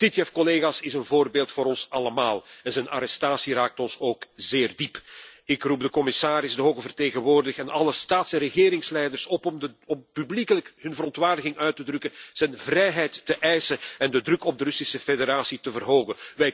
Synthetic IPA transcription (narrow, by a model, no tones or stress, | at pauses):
tɪtjɛfkɔleːɣasɪsənvoːrbeːlˠtfoːɾɔnsɑləmaːlˠɛnzɛnʔa̰ɾɛstaːsiraːk̚tɔnsoːkzɪːrdipɪkrub̚dəkɔmɪsaːɾɪzdəɦoːɣəvərteːɣənʋoːrdɪxɛnʔɑləstaːtsɛrəɣeːɾɪŋslɛjdərsɔpɔpyblikələkɦɵnvəɾɔntʋaːrdəɣɪŋʔœɥtədrɵkənz̥ɛnvrɛjɦɛjtːəʔɛjsəɛndədrɵkɔb̚dəɾɵsisəfedeɾaːsitəvərɦoːɣənʋɛj